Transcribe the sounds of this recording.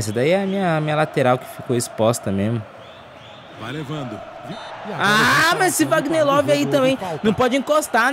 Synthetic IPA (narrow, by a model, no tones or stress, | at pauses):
sɐd̪aiɛɐmĩɲɐmĩɲɐlat̪eɾawkɪ̥fikowɪspɔst̪ɐmezmʊ | valevɐ̃nd̪ʊviamɐssɪvaɡnelɔvɪait̪ɐ̃mbẽj̃nɐ̃w̃pɔd͡ʒɪĩkost̪a